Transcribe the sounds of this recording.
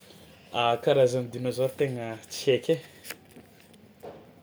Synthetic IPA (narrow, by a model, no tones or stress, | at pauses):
akaɾazanid̪inazaɾit̪eŋət͡siekʲe